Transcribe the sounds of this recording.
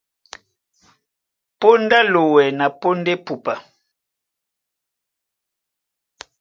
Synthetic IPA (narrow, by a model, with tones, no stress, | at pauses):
po˦nda˦lo˨wɛ˨na˨po˦nde˦pu˨pa˨